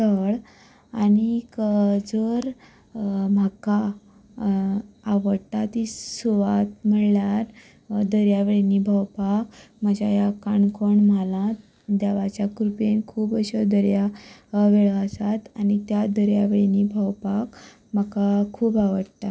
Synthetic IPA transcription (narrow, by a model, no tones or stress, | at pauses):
təɭ | anikəd͡zəɾ | maka | ʋəɽt̪at̪isuʋat̪m̤əɽljaɾ | d̪əɾjaʋeɭinibʱəwpakməd͡ʑajakaɳkʰoɳmalãt̪̚ | d̪aʋat͡ɕjakɾupenkʰuːbəɕəd̪ʱəɾjaʋeɭəsat̪añit̪jad̪əɾjaʋeɭinibʱəwpak | məkakʰːuːbaʋəɽt̪a